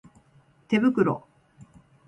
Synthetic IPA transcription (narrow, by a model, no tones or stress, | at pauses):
t̪e̞bɯ̟kɯ̟ɾo̰